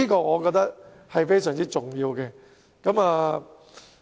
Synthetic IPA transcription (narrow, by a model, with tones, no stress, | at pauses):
iː˥kɔː˧ŋɔː˨˧kɔ˧k̚t̪ɐ˥k̚ | hɐ˨jfe˥js̬œː˨˩ŋt͡siː˥t͡sʊ˨ŋjiː˧wkɛ˧ | kɐ˨˦maː˨˧